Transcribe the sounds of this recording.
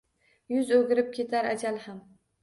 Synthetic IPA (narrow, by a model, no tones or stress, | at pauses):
jʊzɵɡʲɪɾɪp̚kʲʰe̞t̪ʰaɾad͡ʒalham